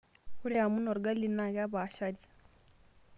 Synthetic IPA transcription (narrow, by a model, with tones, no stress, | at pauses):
hu˦ɾe˦ja˨mu˦no˨ɾɡa˦li˦na˦˨ka˦ba˨ʃa˦di˨